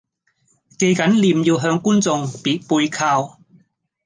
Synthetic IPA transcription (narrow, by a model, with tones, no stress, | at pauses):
ke˧jkɐ˨˥nliː˨˧mjiː˧wɦœː˧ŋkuː˥nt͡sʊ˧ŋpiː˨˥t̚puː˧jkʰaː˧w